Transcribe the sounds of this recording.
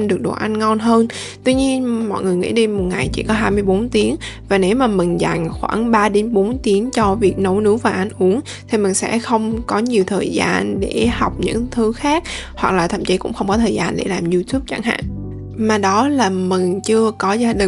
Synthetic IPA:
nɗɨ˨˩ək̚ɗo̰˨˩ʔa˧jŋ̟ŋɔ˧nɦəː˧n | t̪wi˧ɲi˧ənmɔ̰˧˨jŋɨ˨˩əjŋḭ˧˥ɗi˧mo˨˩t̚ŋa˨˩jt͡ɕḭ˧˩kɔ˨˦ɦaː˧jmɨ˧əjɓo˨˦nt̪i˨˦əŋvaː˨˩ne˨˦wmaː˨˩mï˨˩ŋ̟za̰˨˩jŋ̟xwa̰ː˧˩ŋɓaː˧ɗe˨˦nɓo˨˦nt̪i˨˦əŋt͡ɕɔ˧vi˨˩ək̚no˨˧˦wnɨ˨˦wvaː˨˩ʔa˧jŋ̟ʔu˨˦əŋ | t̪ʰi˨˩mï˨˩ŋ̟sɛ̰˧˥xə˧wŋ͡mkɔ˨˦ɲi˨˩əwt̪ʰəː˨˩jza̰ː˧nɗe˧˩ha˨˩wk͡p̚ɲɨ̰˧˥ŋt̪ʰɨ˨˦xaː˦˥k̚hwa˨˩k̚laː˨˩t̪ʰə̰˧˩mt͡ɕi˨˦kʊ̰˧˥ŋ͡mxə˧wŋ͡mkɔ˨˦t̪ʰəː˨˩zaː˧nɗḛ˧˩laː˨˩mzu˧t̪ʰu˦˥p̚t͡ɕa˧˩ŋɦa̰ː˧˨ŋ | maː˨˩ɗɔ˨˦laː˨˩mï˨˩ŋ̟t͡ɕɨ˧əkɔ˨˦zaː˧ɗï˨

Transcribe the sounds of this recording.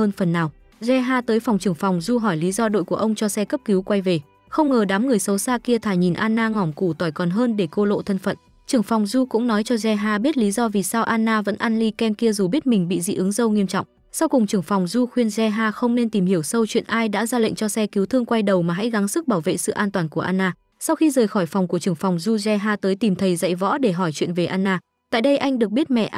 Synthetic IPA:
əː˧nfə˨˩nːaː˨˩w | zɛ˧ɦaː˧t̪əː˨˦jfa˨˩wŋ͡mt͡ɕɨ˨˧˩əŋfɔ˨˩wŋ͡mzu˧ɦɔ˧˩jli˨˦zɔ˧ɗo̰˧˨jku˧˩əʔə˧wŋ͡mt͡ɕɔ˧sɛ˧kə˦˥p̚ki˨˦wkwa˧jve˨˩ | xə˧wŋ͡mŋəː˨˩ɗaː˨˦mŋɨ˨˩əjsə˨˦wsaː˧ki˧ət̪ʰaː˧˩jɲi˨˩nʔaː˧nːaː˧ŋɔ˧˩ŋ͡mku˧˩t̪wɔ˧˩jkɔ˨˩nɦəː˧nɗe˧˩ko˧lo̰˧˨t̪ʰə˧nfə̰˧˨n | t͡ɕɨ˨˩əŋfɔ˨˩wŋ͡mzu˧kʊ̰˧˥ŋ͡mnɔ˨˦jt͡ɕɔ˧zɛ˧ɦaː˧ɓi˦˥t̚li˨˦zɔ˧vi˨˩saː˧wʔaː˧nːaː˧və̰˧˥nʔa˧nli˧kɛ˧mki˧əzu˨˩ɓi˦˥ət̚mï˨˩ŋ̟ɓḭ˧˨zḭ˧˨ʔɨ˨˦ŋzə˧wŋi˧əmt͡ɕɔ̰˧˨ŋ͡m | sa˧wkʊ˨˩ŋ͡mt͡ɕɨ˨˧˩əŋfɔ˨˩wŋ͡mzu˧xwi˧ənzɛ˧ɦaː˧xə˧wŋ͡mne˧nt̪i˨˩mhi˧˩əwsə˧wt͡ɕwḭ˧˨nʔaː˧jɗa̰ː˧˥zaː˧lə̰˧˨ŋ̟t͡ɕɔ˧sɛ˧ki˨˦wt̪ʰɨ˧əŋkwa˧jɗə˨˩wmaː˨˩ɦa̰˧˥jɣa˨˦ŋsɨ˦˥k̚ɓaː˧˩wvḛ˧˨sɨ̰˧˨ʔaː˧nt̪waː˨˩nku˧˩əʔaː˧nʔaː˧ | sa˧wxi˧zəː˨˩jxɔ˧˩jfɔ˨˩wŋ͡mku˧˩ət͡ɕɨ˨˩əŋfa˨˩wŋ͡mzu˧zɛ˧ɦaː˧t̪əː˨˦jt̪i˨˩mt̪ʰə˨˦jzə̰˧˨jvɔ̰˧˥ɗe˧˩ɦɔ˧˩jt͡ɕwḭ˧˨ənve˨˩ʔaː˧nʔaː˧ | t̪a̰ː˧˨jɗə˧jʔa˧jŋ̟ɗɨ˨˩ək̚ɓi˦˥ət̚mɛ̰˧˨ʔ

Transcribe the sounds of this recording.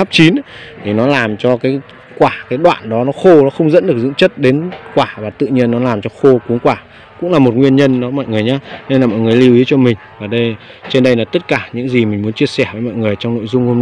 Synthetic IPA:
a˦˥p̚t͡ɕi˨˦nt̪ʰi˨˩nɔ˨˦laː˨˩mt͡ɕɔ˧kaː˨˦j | kwaː˧˩kaː˨˦jɗwa̰ː˧˨nɗɔ˨˦nɔ˨˦xo˧nɔ˨˦xə˧wŋ͡mzə̰˧˥nɗɨ˨˩ək̚zɨ̰˧˥ŋt͡ɕə˦˥t̚ɗe˨˦nkwaː˧˩vaː˨˩t̪ɨ̰˧˨ɲi˧ənːɔ˨˦laː˨˩mt͡ɕɔ˧xo˧ku˨˦ŋkwaː˧˩ | kʊ̰˧˥ŋ͡mlaː˨˩mo˨˩ŋwi˧ənɲə˧nnɔ˨˦mɔ̰˧˨jŋɨ˨˩əjɲaː˧ne˧nlaː˨˩mɔ̰˧˨jŋɨ˨˩jli˧əwi˨˦t͡ɕɔ˧mï˨˩ŋ̟vaː˨˩ɗə˧j | t͡ɕe˧nɗə˧jlaː˨˩t̪ə˦˥t̚kaː˧˩ɲɨ̰˧˥ŋzi˨˩mï˨˩ŋ̟mu˨˦nt͡ɕi˧əsɛ˧˩vəː˨˦mɔ̰˧˨jŋɨ˨˩əjt͡ɕɔ˧ŋ͡mno̰˧˨jzʊ˧ŋ͡mho˧mna˧

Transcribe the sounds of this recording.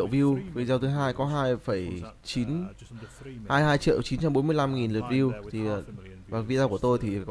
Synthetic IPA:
wvi˧wvi˨˩zaː˧t̪ɨ˨˦ɦaː˧jkɔ˨˦ɦaː˧jfə˧˩jt͡ɕi˨˦n | haː˧jhaː˧jt͡ɕḭ˧˨ə˨wt͡ɕi˨˦nt͡ɕa˧mɓo˨˦mɨ˧əjla˧mŋi˨˩nlɨ˨˩ət̚vi˧wt̪ʰi˨˩˨ | vaː˨˩vi˧zaː˧ku˧˩ət̪o˧jt̪ʰi˨˩k

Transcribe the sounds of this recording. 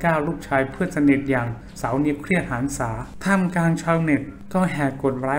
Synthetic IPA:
kaː˥˩wɾuː˥˩p̚t͡ɕʰaː˧jpʰɯ˥˩ɐsa˧ne˨˩t̪̚jaː˨˩ŋ | sa˩˦wni˦˥kʰɾi˥˩ət̪̚haː˩˦nsaː˩˦t̪ʰa˧˥˩mkaː˧ŋt͡ɕʰa˧wne˨˩t̪̚ | kɔː˥˩ɦɛː˨˩ko˨˩t̪̚ɾaː˨˦˥

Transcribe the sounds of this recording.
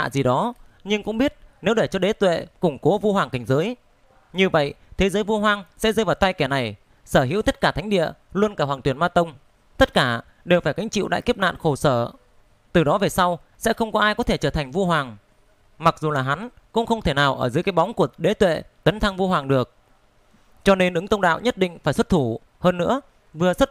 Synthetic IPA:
a̰ː˧˨zi˨˩ɗɔ˨˦ɲɨ˧ŋkʊ̰˧˥ŋ͡mɓi˦˥ət̚ne˨˦wɗe˧˩t͡ɕɔ˧ɗe˨˦t̪wḛ˧˨kʊ˧˩ŋ͡mko˨˦vu˧hwaː˨˩ŋkä˧˨˩ŋ̟zəː˨˦j | ɲɨ˧və̰˧˨jt̪ʰe˨˦zə˨˦jvu˧ɦwaː˧ŋsɛ̰˧˥zə˧jvaː˨˩wt̪a˧jkɛ˧˩na˨˩j | səː˧˩hɦḭ˧˥wt̪ə˦˥t̚kaː˧˩a˨˦ŋ̟ɗḭ˧˨əlwənkaː˧˩waː˨˩ŋt̪wənmaː˧t̪ə˧wŋ͡m | t̪ə˦˥t̚kaː˧˩ | ɗe˨˩wfaː˧˩jka˨˦ŋ̟t͡ɕḭ˧˨wɗa̰ː˧˨jki˦˥əp̚na̰ː˧˨nxo˧˩səː˧˩ | t̪ɨ˨˩ɗɔ˨˦ve˨˩sa˧w | sɛ̰˧˥xə˧wŋ͡mkɔ˨˦ʔaː˧jkɔ˨˦t̪ʰe˧˩t͡ɕəː˧˩t̪ʰa˨˩jŋ̟vu˧ɦwaː˨˩ŋ | ma˨˩k̚zu˨˩laː˨˩ɦa˨˦nkʊ̰˧˥ŋ͡mxə˧wŋ͡mt̪ʰe˧˩naː˨˩wʔəː˧˩zɨ˨˦jkaː˨˦jɓa˨˦wŋ͡mku˧˩əɗe˨˦t̪wḛ˧˨t̪ə˨˦nt̪ʰa˧ŋvu˧ɦwaː˨˩ŋɗɨ˨˩ək̚ | t͡ɕɔ˧ne˧nʔɨ˨˦ŋt̪ə˧ŋ͡mɗa̰ː˧˨wɲə˦˥t̚ɗḭ˧˨ŋ̟faː˧˩jswə˦˥t̚t̪ʰu˧˩ | həː˧nːɨ̰˧˥ə | vɨ˨˩əswə˦˥t̚

